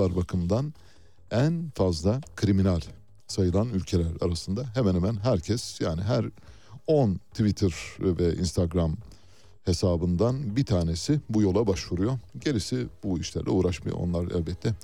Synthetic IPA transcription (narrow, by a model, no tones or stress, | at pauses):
aɾbakʰɯmd̪an | ænfazlˠakʰɾiminælʲ | sajɯlˠanylʲcʰe̞lʲæɾa̰ɾasɯnd̪aɦemɛnhemænɦæɾcʰɛsjaːniɦæɾ | ont̪ʰvit̪ʰɪɾvɛḭnst̪ʰaɡɾam | he̞saːbɯnd̪anbit̪ʰaːne̞sibujo̞lˠabaʃvuɾujo̞ɟe̞ɾisɪbuiʃlʲæ̰ɾlʲɛ̰uːɾaʃma̰jo̰o̰nlˠaɾɛ̰lʲbɛt̪ʰːɛ